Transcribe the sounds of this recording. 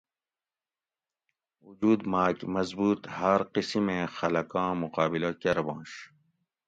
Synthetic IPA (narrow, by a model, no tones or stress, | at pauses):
ud͡ʒuːd̪maːkmɐzbuːt̪hɐɾqisimẽxɐlɐkɑ̃ːmuqaːbilokɐɾbɑ̃ːɕ